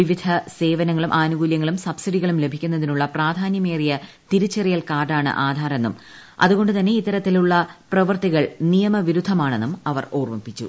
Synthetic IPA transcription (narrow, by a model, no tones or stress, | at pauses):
ʋiʋid̪ʱʰɐse̞ːʋɐnɐŋːɐɭumʔaːnuɣuːljɐŋːɐɭumsɐbsiɖiɣɐɭumle̞bʱikʲːunːɐðinuɭːɐpraːd̪ʱaːnjɐme̞ːrijɐ | t̪iɾut͡ɕːɐrijɐlkaːrɖaːɳɨ̰ʔaːd̪ʱaːɾɐnːum | ɐ̰ðuɣo̞ɳɖɨt̪ɐnːe̞it̪ːɐɾɐt̪ːiluɭːɐprɐʋɐrt̪iɣɐɭnijɐmɐʋiɾud̪ʱːɐmaːɳenːumɐʋɐ̰roːrpɐpːit͡ɕːṵ